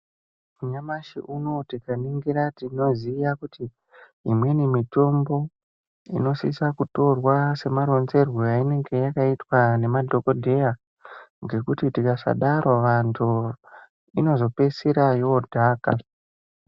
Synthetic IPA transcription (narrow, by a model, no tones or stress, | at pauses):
uɲamaʃḭʔuno̞tikaniŋɡiɾatino̞zijakutiː | mwe̞nimito̞mbo̞ | ḭno̞sisakuto̞rwase̞maɾo̞nze̞rwojaine̞ŋɡe̞jakaitwane̞madʱo̞ko̞dʱe̞ja | ŋɡe̞kutitikasa̰ɗaɾʔo̞ʋantʰu | ino̞zo̞pe̞siɾajoːdʱaːka